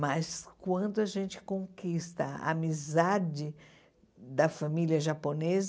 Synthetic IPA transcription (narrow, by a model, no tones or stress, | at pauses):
mɐskwɐ̃nd̪ʊɐʒẽnt͡ʃɪ̥kõkist̪ɐ̰a̰mizad͡ʒɪ | d̪ɐfamiliɐʒaponez